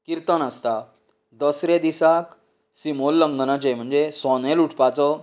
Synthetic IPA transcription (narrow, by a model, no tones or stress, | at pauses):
kiɾt̪ənast̪a | d̪əsɾed̪isak | simolːəŋɡənad͡ʑem̤əɳd͡zesɔneluʈʰpat͡sɔ